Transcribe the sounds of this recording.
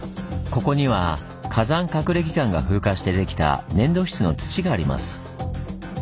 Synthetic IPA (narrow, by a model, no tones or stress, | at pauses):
ko̞ko̞ɲ̟iβa | kʰazãŋkakɯ̟ɾe̞kʲi̥kãŋɡa̰ɸɯ̟ːkaɕi̥t̪e̞d̪e̞kʲi̥t̪a̰nẽ̞nd̪o̞ːçi̥t͡sɨno̞̰t͡sɨ̥t͡ɕiɡaːɾʲima̰sɨ̥